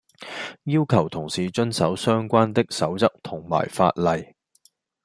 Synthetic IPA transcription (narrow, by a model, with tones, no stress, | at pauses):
jiː˥wkʰɐ˨˩wt̪ʰʊ˨˩ŋsiː˨t͡ʃɵ˥nsɐ˨˥wsœː˥ŋkʷaː˥nt̪ɪ˥k̚sɐ˨˥wt͡sɐ˥k̚t̪ʰʊ˨˩ŋma̰ː˨˩jfa̰ː˧t̚lɐ˨j